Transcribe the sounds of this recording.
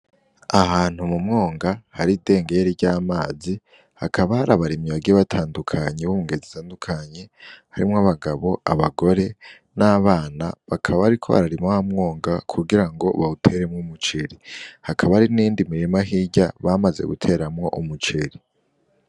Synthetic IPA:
ahaːn̥humumŋo̞ːŋɡahaɾide̞ːŋɡe̞ɾiɟaːmaːzi | hakʰaβahaɾaβaɾimɲiβaɡiβatʰaːndukʰaɲe̞βumuŋɡe̞zitʰaːndukʰaɲe̞haɾimŋaβaɡaβo̞aβaɡo̞ɾe̞ | naβaːna̰βakʰaβaːɾikʰo̞̰ha̰ɾaɾimohamŋo̞ːŋɡakʰuɡiɾaŋɡo̞̰βautʰe̞ɾemŋomut͡ʃeɾihakʰaβaɾiniːndimiɾimaɦiɟaβamaze̞̰ɡṵtʰe̞ɾamŋo̞ʔumut͡ʃeɾi

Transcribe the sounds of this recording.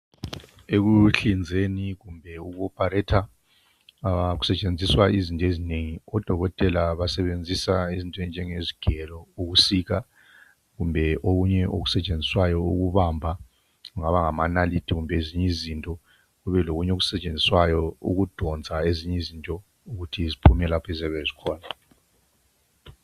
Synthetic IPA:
eɣuɬind͡zʱeniɣumbʱɛuɣuɔpʰʼaɾɛtʰa | ɣu̥sɛt͡ʃʼend͡zʱiswaizintʼɔezineŋiɔd̥ʱɔɣɔtʼɛlaβasɛβend͡zʱisaizintʼɛnd͡ʒʱɛŋeziɡ̥ʱɛlɔuɣusika | ɣumbʱɛʔoɣuɲɛo̰ɣusɛt͡ʃʼend͡zʱiswajɔuɣuβambʱa | ɣuŋaβaŋamanalitʰiɣumbʱeeziɲizintʼɔ | ɣuβɛloɣuɲɛoɣusɛt͡ʃʼend͡zʱiswajɔṵɣud̥ʱɔnd͡zʱaeziɲɛizintʼɔ | uɣutʰizipʰumɛlapʰɛzɛβɛzikʰɔːna

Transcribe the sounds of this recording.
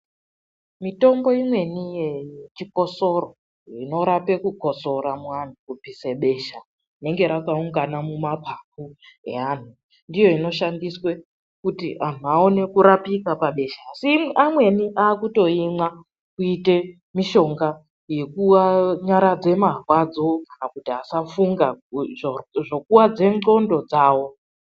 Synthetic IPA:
mito̞mbo̞imwe̞nijet͡ʃiko̞so̞ro̞ | ino̞ɾape̞kuɡʱo̞so̞ɾamwan̤ukupiseɓe̞ʃa | ine̞ŋɡe̞ɾakauŋɡanamumapʰap̚uḛan̤u | ndijo̞ino̞ʃandiswe̞ | kutḭʔan̤uao̞ne̞kuɾapikapaɓe̞ʃaːsiamwe̞niʔaːkuto̞imwa | kuite̞ | miʃo̞ŋɡa | je̞kuaɲaɾad͡ze̞marwad͡zo̞kanakutiasafuŋɡa | ʐo̞kuwad͡ze̞no̞ndo̞d͡zaːwo̞

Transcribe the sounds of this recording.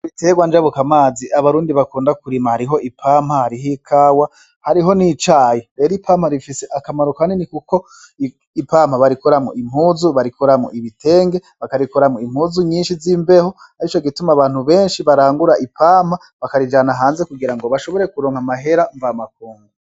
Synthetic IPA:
βite̞ːɡwand͡ʒaβukamaːziʔaβaɾuːndiβakuːndakuɾimahaɾiɦo̞ʔipʰaːm̥hahaɾiɦikʰaːwa | haɾiɦo̞nit͡ʃaːjeɾe̞ːɾipʰaːmhaɾifiseʔakamaɾukaninikuko̞ | ipaːm̥haβaɾikoɾamŋo̰ʔim̥huːzuβaɾikʰoɾamŋoiβite̞ːŋɡe̞βakaɾikoɾamŋoim̥huːzuɲiːnʃiziːmbe̞ho | aɾit͡ʃoɡitumaβaːn̥huβe̞ːnʃiβaɾaːŋɡuɾaʔipaːm̥ha | βakaɾid͡ʒaːnaɦaːnze̞kuɡiɾaŋɡo̞βaʃo̞βo̞ɾe̞kuɾo̞ːŋhamaɦe̞ɾaɱvamak̚uːŋɡu

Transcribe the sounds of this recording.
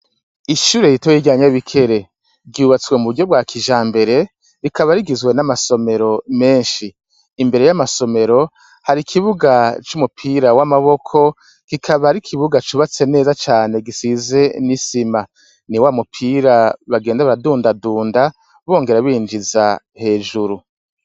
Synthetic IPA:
iʃuːɾejitwoiɡjaɲaβikʰe̞ɾe̞ | ɡɟuːβat͡swemuβuɟo̞b̚ɡwaːkʰiʒaːmbe̞ɾe̞ | ɾikʰaβaɾiɡizɡwe̞namaso̞me̞ɾo̞me̞ːnʃiː | mbe̞ɾe̞jamaso̞me̞ɾo̞ | haɾikʰiβuɡat͡ʃumupʰiːɾawamaβo̞kʰo̞ | kikʰaβaɾikʰiβuɡat͡ʃuβat͡se̞ne̞ːzat͡ʃaːne̞ɡisize̞nisima | niwamupʰiːɾaβaɡe̞ːndaβaɾaduːndaduːnda | βo̞ːŋɡe̞ɾaβiːnd͡ʒiza̰ | he̞ːʒuɾu

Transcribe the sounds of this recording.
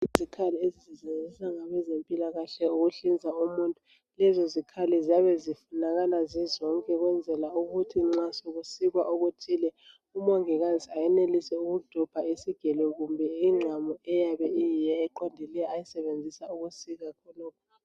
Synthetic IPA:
izʱikʰaliezizizend͡zʱisaŋaβɛzempʼilaɣaɬɛuɣuɬind͡zʱaumuntʼu | lɛzɔzikʰalɛziaβɛzifunaɣalazizɔŋkʼɛɣwɛnd͡zʱɛlauɣutʰiŋ͡ǁasoɣusiɣwa̰ʔoɣutʰilɛ | umaŋɛɣanzʱʼiajɛnelisɛuɣud̥ʱɔb̥ʱaisiɡ̥ʱɛlɛɣumbʱɛiŋ͡ǁʱamɔɛjaβɛijijɛːǃɔndʱilɛjaajisɛβend͡zʱisauɣusiɣakʰɔlɔːkʰɔ̥

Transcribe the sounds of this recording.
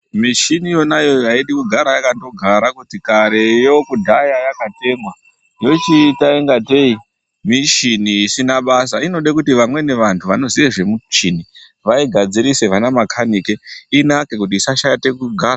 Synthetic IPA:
miʃinijo̞najo̞jaiɗikuɡʱaɾajakato̞ɡʱaɾakutikaɾe̞jokudʱajajakate̞ŋwa | jo̞t͡ʃitaeŋɡate̞i | miʃiniisinaɓasaino̞ɗekutiʋamwe̞ne̞ʋantʰuʋano̞ziʋeʐe̞mut͡ʃini | ʋaiɡʱad͡ziɾise̞ʋanamakʰanikeinake̞kut̬iːsaʃajate̞kuɡʱaːra

